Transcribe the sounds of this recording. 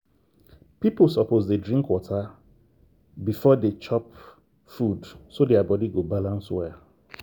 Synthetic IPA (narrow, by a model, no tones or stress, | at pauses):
pipl̩sɔpozdedɹĩŋkwɔtʰa | bifɔdet͡ʃɔp | fudsodeabɔdiɡobalãnswɛ